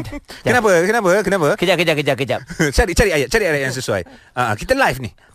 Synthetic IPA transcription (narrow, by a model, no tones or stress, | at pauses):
kənap̬əkənapəkənapəkəd͡ʒap̚kəd͡ʒakəd͡ʒap̚kəd͡ʒap̚t͡ʃaɾit͡ʃaɾiajaʔt͡ʃaɾiajaʔjaŋs̬əsuwa̰j | aʔəkit̪alajfni